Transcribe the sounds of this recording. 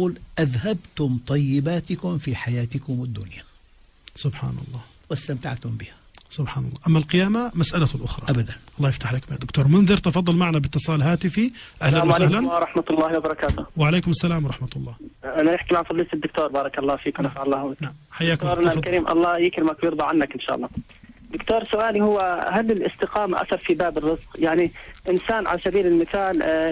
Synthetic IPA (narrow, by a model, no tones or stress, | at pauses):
uːlʔaðhabt̪ʊmt̪ˤɑjːɪbaːt̪ɪkʊmfiħajaːt̪ɪkʊmɪd̪ːʊnja | sʊbħa̰ːnɑ̰lˤːɑː | wɪst̪amt̪aʕt̪ʊmbɪhasʊbħaːnɑlˤːɑːʔamːalqɨjaːmamasʔalalʔʊxɾˤɑ̰ʔabad̪anʔɑlˤːɑːjɪft̪aħlakmɪjad̪ːʊkt̪uːɾˤmʊnðˤɨɾt̪ɑfɑd̪ˤːɑlmaʕanabɪt̪ːɨsˤɑːlɦaːt̪ɪfiʔahlanwaahlanɾˤɑħmat̪lːɑːhwabɑɾˤɑkaːt̪ʊwɪʕaleːkʊmasːalaːmwɾˤɑħmat̪ʊlˤːɑːʔananɪħkimaʕfɑðˤɨlt̪ɪd̪ːʊk̚t̪oːɾˤbɑːɾˤɑkɑlˤːɑːfiːkwnafaʕɑlːɑːhʊwakmħajːaːkʊmoɾˤlkaɾiːmʔɑ̰lˤːɑːjɪkɾmakjɪɾd̪ˤɑʕanːakʔɪnʃa̰ːʔɑlˤːɑː | d̪ʊkt̪oːɾˤsʊʔaːlihʊwːahalːɪlʔɪ̰st̪ɪqɑːmaʔa̰sɑɾˤfibaːbɪrːɪzqjaʕniʔɪnsaːnʕa̰lasabiːlɪlmɪθaːl